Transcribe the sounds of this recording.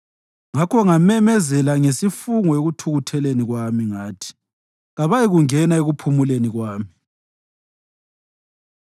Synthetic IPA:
ŋakʰɔŋamɛmɛzɛlaŋesifuŋɔeɣutʰuɣutʰɛleniɣwamiŋaːtʰi̥ | ɣaβajiɣuŋɛnaeɣupʰumuleniɣwaːmi

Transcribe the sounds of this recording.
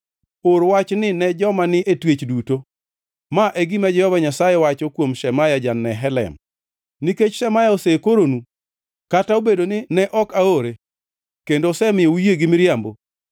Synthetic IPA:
oɾwat͡ʃnɪnɛd͡ʒɔmanɪʔetwet͡ʃduto | maʔeɡimad͡ʒɛhɔvaɲasajewat͡ʃɔkwomʃɛmajad͡ʒanːɛɦɛlɛ̰m | niket͡ʃʃɛmajaosekoɾonu | kataobedonɪnɛʔɔkaoɾe | kendosɛmɪoujeɡɪmɪɾjambo

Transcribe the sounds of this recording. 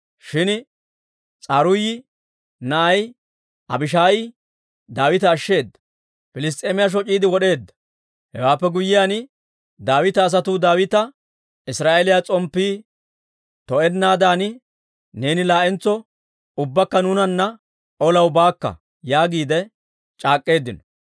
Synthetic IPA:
ʃɪn | t͡sʼɐɾʊjɪ | nɐʔɐj | ʔɐ̰bɪʃ̬aːjɪ | d̪aːwɪt̪ɐːʃːe̞ːd̪ːɐ̥ | fɪlɪs̬t̪ʼeːmɪjaʃ̬ɔt͡ʃʼːiːd̪ɪwɔɗe̞ːd̪ːɐ̥ | hɛ̰waːpːɛɡʊjːɪjaːn | d̪aːwɪt̪ɐːs̬ɐt̪uːd̪aːwɪt̪ɐ | ɪsɾaːʔelɪjat͡sʼɔmpːiː | t̪ɔɛnːaːd̪aːnɪ | ne̞ːnɪlaːʔɛnt͡sːɔ | ʊbːɐkːɐnʊːnɐnːɐ | ʔɔlɐwbaːkːɐ̰ | jaːɡiːd̪ɛ | t͡ʃʼaːkʼːe̞ːd̪ːɪnɔ̥

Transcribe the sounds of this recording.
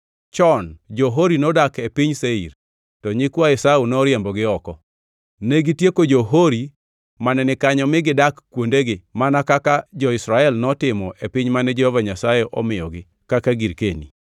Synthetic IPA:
t͡ʃɔnd͡ʒɔɦoɾinɔdakepiɲseḭɾ | tɔɲɪkwaɛsaunɔɾjembɔɡɪɔkɔ | neɡitjekod͡ʒoɦoɾi | manɛnɪkaɲɔmɪɡɪdakːwondeɡɪmanakakad͡ʒɔɪsɾaɛlnɔtɪmɔʔepɪɲmanɛd͡ʒɛhɔvaɲasajɛʔɔ̰mɪjɔɡɪ | kakaɡiɾkenḭ

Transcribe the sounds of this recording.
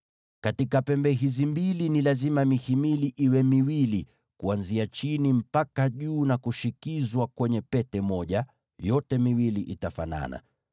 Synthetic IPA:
katikapɛmbɛɦizimbilinilazimamihimiliʔiwɛmiwili | kuanziat͡ʃinim̩pakaʄuːnakuʃikizwakwɛɲɛpɛtɛmɔʄa | jɔtɛmiwiliʔitafa̰na̰na̰

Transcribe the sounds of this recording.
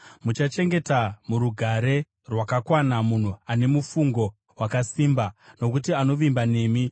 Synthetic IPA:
mut͡ʃat͡ʃe̞ŋɡe̞tamuɾuɡʱaɾe̞ | rwakakwanamun̤uane̞mufuŋɡo̞ | wakasimbano̞kutiano̞ʋimbane̞ːmi

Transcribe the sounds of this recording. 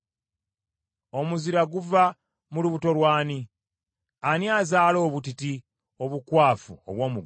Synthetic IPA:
o̞muziɾaɡuva | muluβuto̞lwaːni | aniazaːlo̞ːβutiti | o̞βukwaːfuo̰βwo̞ːmuɡ

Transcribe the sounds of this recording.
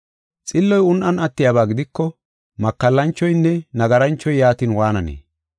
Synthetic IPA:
t͡sʼɪlːɔjʊnʔɐnʔɐt̪ːɪjaːbaːɡɪd̪ɪkːɔ | mɐkːɐlːɐnt͡ʃːɔjnːɛnɐɡɐɾɐnt͡ʃːɔjjaːt̪inwaːnɐnḛː

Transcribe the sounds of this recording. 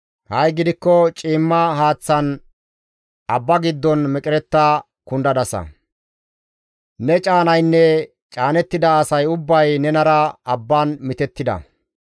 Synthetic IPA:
hɐjɡɪd̪ɪkːɔt͡ʃʼiːmːɐɦaːt͡sːɐn | ɐbːɐɡɪd̪ːɔnmɛkʼɪɾɛt̪ːɐ | kʊnd̪ɐd̪ɐsɐ̰ | nɛt͡ʃʼaːnɐjnːɛ | t͡ʃʼaːnɛt̪ːɪd̪ɐːsɐjʊbːɐjnɛnɐɾɐɐbːaːnmɪt̪ɛt̪ːɪd̪ɐ̰

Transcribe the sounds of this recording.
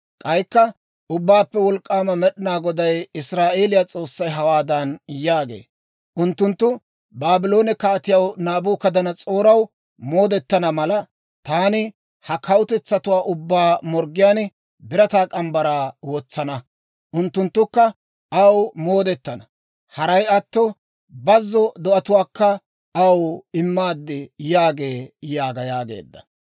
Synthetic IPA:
kʼɐjkːɐ | ʊbːaːpːɛwɔlkʼːaːmɐmɛɗɪnaːɡɔd̪ɐjɪsɾaːʔe̞ːlɪjat͡sʼo̞ːsːɐjɦɐwaːd̪ɐnjaːɡe̞̰ː | ʔʊnt̪ːʊnt̪ːʊ | baːbɪlo̞ːnɪkaːt̪ɪjɐwnaːbuːkɐd̪ɐnɐt͡sʼoːɾɐw | moːd̪ɛt̪ːɐnɐmɐlɐ | t̪aːnɪ | hɐkʰɐwʊt̪ɛt͡sːɐt̪ʊwaːʔʊbːaːmɔɾɡɪjaːn | bɪɾɐt̪aːkʼɐmbɐɾaːwɔːt͡sːɐnɐ | ʔʊnt̪ːʊnt̪ːʊkːɐ | ɐwmo̞ːd̪ɛt̪ːɐnɐ | hɐɾɐjɐt̪ːɔ | bɐzːɔd̪ɔʔɐt̪ʊwaːkːɐ | ɐwɪmːaːd̪ːɪjaːɡe̞ːjaːɡɐjaːɡe̞̰ːd̪ːɐ̥

